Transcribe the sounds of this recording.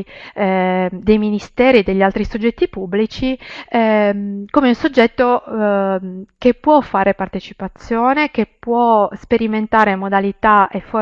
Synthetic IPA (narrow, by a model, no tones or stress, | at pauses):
d̪ejminist̪ɛːɾid̪eʎːialt̪ɾisod͡ʒːɛt̪ːipubːlit͡ʃiɛmkoːmeunsod͡ʒːɛt̪ːo | kepːwɔfːaːɾepart̪et͡ʃipat̪sːjoːnekepwɔspeɾiment̪aːɾemod̪alit̪aefo